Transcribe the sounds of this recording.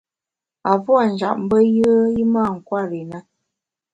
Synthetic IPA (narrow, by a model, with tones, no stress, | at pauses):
a˨pwa˦˨n̩˨d͡ʒa̰˨ʔm̩˦bə˦jə˦ə˦ji˦ma˦˨ŋ̩˨kwa˦˨ɾi˨na˦